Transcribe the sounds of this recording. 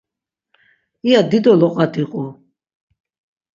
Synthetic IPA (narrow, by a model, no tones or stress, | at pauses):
ijad̪id̪ɔlɔqʼat̪ʰiqʼu